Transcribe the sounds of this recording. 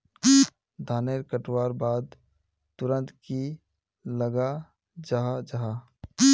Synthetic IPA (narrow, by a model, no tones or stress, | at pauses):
d̪ʱaːneɾkəʈwaːɾbaːd̪ | t̪ʊɾə̃nt̪ki | ləɡa | d͡ʒaɦad͡ʒaɦa